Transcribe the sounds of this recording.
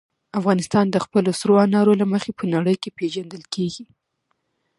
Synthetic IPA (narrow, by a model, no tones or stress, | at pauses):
afɣɑnɪst̪ɑnd̪əxpəlosɾoɑnɑɾolaməxepənaɽəjkepeʒand̪əlkʰeɡi